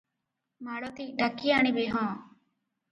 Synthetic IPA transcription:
maːɽoːt̪iːɗakːiaːɳ̃ibeːɦɔ̃ː

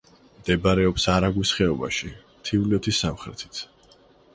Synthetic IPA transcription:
md̪̥ɛbaɾɛɔpsaɾaɡwisχɛɔba̰ʃi | t̪ʰiulɔt̪ʰisːamχɾɛ̰t̪ʰi̥t̪sʰ

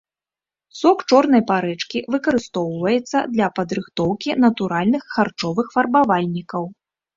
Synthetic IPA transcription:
sɔkt͡ʂɔrn̪ɐjpaɾɛt͡ʂkʲivɨkɐɾɨst̪ɔwvɐjɛt̪sːɐ̰d̪lʲɐpɐd̪ɾɨxt̪ɔwkʲinɐt̪uɾalʲnɨxːart͡ʂɔvɨxfɐrbavalʲnʲikɐw

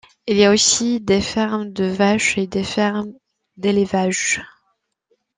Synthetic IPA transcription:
ilijaosid̪efɛʁmd̪əvaʃed̪efɛʁm | d̪elevaʒ

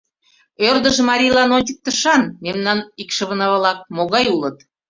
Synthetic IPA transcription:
ørd̪əʒmɑɾʲilɑnonʲt͡ɕək̚t̪əʃɑnmemnɑnikʃə̆βə̆nɑβlɑk̚moɣɑjulət̪

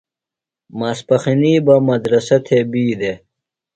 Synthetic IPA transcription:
maːspɐxiniːbɐmɐd̪ɾɐsɐt̪ʰeːbiːd̪e

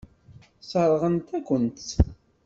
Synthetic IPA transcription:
səɾˤʁənt̪ækʷənt̪

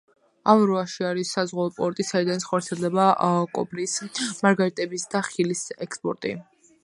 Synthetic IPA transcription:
amɾɔaʃiaɾisːazʁwaɔpʼɔɾt̪ʼisaid̪anisχɔɾt̪sʰiɛlˠd̪ɛbakʼɔ̰bɾismaɾɡaɾit̪ʼɛbisd̪aχilisɛkspʼɔ̰ɾt̪ʼḭ

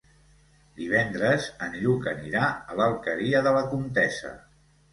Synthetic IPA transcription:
d̪iβ̞ɛnd̪ɾəzənʎukəniɾaələlˠkəɾiəðələkunt̪ɛsə̰

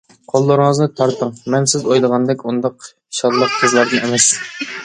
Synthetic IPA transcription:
qʰolˠːəɾɨŋəznɨt̪ʰɑɾt̪ʰəŋmɛnsɪzojlˠəʁɑnd̪ɛkʲund̪ɑq | ʃɑllːˠəq̚qʰəzlˠɑɾd̪ɨnemɛs

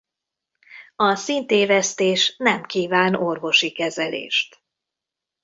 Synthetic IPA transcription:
ɒsint̪eːvɛst̪eːʃnɛmkiːvaːno̞rvo̞ʃikɛzɛlḛːʃt̪

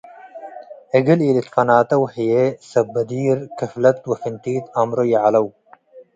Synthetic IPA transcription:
eɡiliːlit̪fɐnaːt̪ɐwhijesɐbːɐd̪iːɾkɐflɐt̪wɐfint̪iːt̪ɐmɾojaʕalɐw

